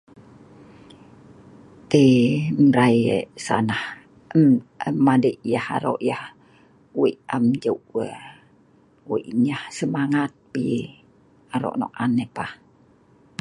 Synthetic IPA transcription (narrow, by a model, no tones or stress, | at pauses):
t̪emɾajḛʔsa̰nah | məmːadəʔjaha̰ɾo̰ʔjah | wiʔamd͡ʒəʔwə | weʔɲahsəmaŋat̪̚pi | aɾo̰ʔnɔ̰ʔanepah